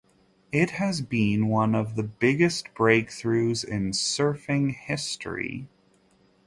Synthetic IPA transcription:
ɪt̚hɨzbĩnwʌ̃nʌvðəbɪɡɨstb̥ɹeɪk̚θɹʉzɪ̃nsɜ˞fɪ̃ŋhɪstɹ̥ḭ

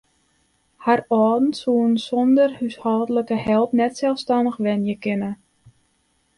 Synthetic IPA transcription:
harɔːdn̩tsuənsɔndərhyshɔːdələkəhɛlˠpnɛtsɛlˠfstanəxʋɛnjəkɪnə

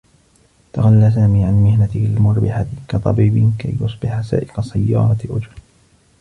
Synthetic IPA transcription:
t̪aɣalːaːs̬aːmiːʕanmɪhnalmʊɾbɪħat̪kɑt̪ˤɑ̰biːbɪka̰jjʊsˤbɪħasa̰ːʔɪqɑsajːɑ̰ːɾˤɑt̪ʔʊd͡ʒɾ

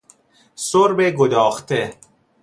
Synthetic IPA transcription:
soɾbeɡod̪ɒːxt̪ʰe

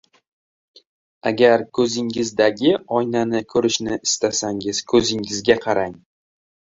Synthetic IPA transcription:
a̰ɡʲaɾkʰɵzɪŋɪzd̪aɡʲɪɒjnanɪkʰɵɾɪʃnɪɪst̪asaŋɪz̥kʰɵzɪŋɪzɡʲaqʰɑɾaŋ

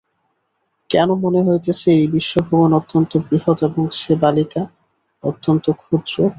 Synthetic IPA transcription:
kɛnomoneɦojt̪esejbiʃːobʱobonot̪ːont̪obɾiɦot̪eboŋʃebalika | ot̪ːont̪okʰud̪ɾo

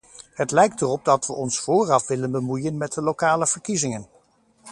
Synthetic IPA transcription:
ɦətlɛjk̚tərɔb̚dɑtʋəʔɔnsfʊːrɑfʋɪlənbəmujənmɛt̚dəlokaːləv̥əɹkizɪŋən

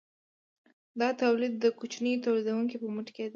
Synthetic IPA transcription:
d̪ɑt̪awlɪd̪ːəkut͡ʃnəjot̪awlid̪awuŋkipəmuʈked̪a

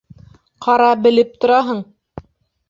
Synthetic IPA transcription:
qʰɑɾɑbɘ̆lɘp̚t̪ŏɾɑɦɤɴ

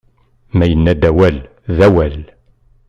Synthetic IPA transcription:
mæjənːæd̪æwæl | ðæwæl

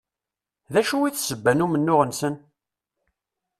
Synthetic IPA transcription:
ðæʃuwiθsəbːænumənːʊʁənsən

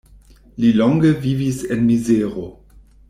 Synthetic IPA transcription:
lilɔŋɡəvivisenmizeʁo

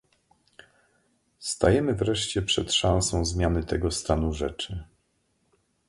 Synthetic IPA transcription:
st̪ajɛmɘvɾɛʂt͡ɕɛpʂɛt̪ʂãw̃sɔ̃w̃zmʲjanɘt̪ɛɡɔst̪anuʐɛt͡ʂɘ

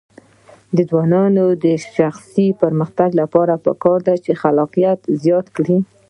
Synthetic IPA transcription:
d̪əzwɑnɑnod̪əʃaxsipəɾməxt̪aɡlapɑɾapə̰kɑɾd̪at͡ʃexalɑqijat̪zjɑt̪kɽi

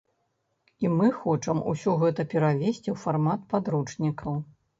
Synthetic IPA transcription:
imɨxɔt͡ʂɐmṵsʲɔɣɛt̪ɐpʲɛɾavʲesʲt͡sʲiwfarmat̪pad̪ɾut͡ʂnʲikɐw

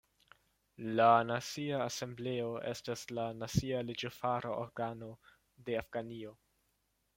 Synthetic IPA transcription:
lanat͡siaːse̞mble̞o̞ʔe̞̰staslanat͡sialid͡ʒofaɾaʔo̰ɾɡano̞ | de̞afɡ̥anio̞

